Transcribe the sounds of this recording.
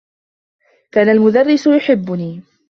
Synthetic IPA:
kaːnalmʊd̪arːɪsʊjʊħɪbːʊniː

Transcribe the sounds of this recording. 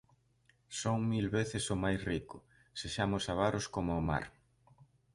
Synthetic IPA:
soŋmilβeθɪsʊmajsrikʊ | seʃamʊsaβaɾʊskomʊːma̰ɾ

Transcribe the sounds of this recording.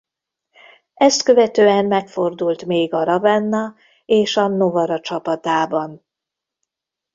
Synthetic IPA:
ɛst̪kø̞vɛt̪øːɛnmɛkfo̞rd̪ult̪meːɡɒɾɒvɛnːɒ | eːʃɒno̞vɒɾɒt͡ʃɒpɒt̪aːbɒn

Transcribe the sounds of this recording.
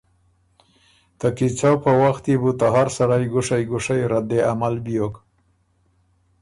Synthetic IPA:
t̪akit͡sawpəwaxt̪ibut̪aɦaɾsaɾajɡʊʂajɡʊʂajɾad̪eamalbijok

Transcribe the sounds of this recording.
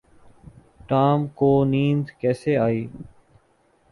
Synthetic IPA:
ʈaːmkoːniːnd̪kɛːseːaːiː

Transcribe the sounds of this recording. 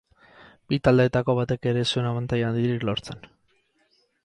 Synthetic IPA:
bit̪ald̪et̪ako̞βat̪e̞ke̞ɾe̞sue̞naβant̪ajand̪iɾiklo̞ɾt͡se̞n

